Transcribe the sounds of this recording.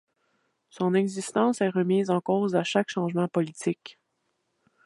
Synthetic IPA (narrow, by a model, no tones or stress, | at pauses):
sɔ̃nɛɡzist̪ɑ̃ːsɛːʁəmiːzɑ̃koːzaʃakʃɑ̃ʒmɑ̃pɔlit͡sɪk